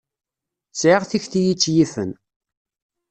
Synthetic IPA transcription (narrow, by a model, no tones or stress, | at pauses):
sʕɪʁθiçθijit͡sːjifə̰n